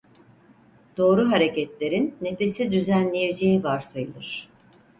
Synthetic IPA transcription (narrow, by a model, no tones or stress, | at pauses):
d̪̥o̞ːɾuɦaɾe̞cɛt̪lʲe̞ɾinːe̞fe̞sid̪yzænlʲeje̞d͡ʒejivaɾsajɯlˠɯɾ̥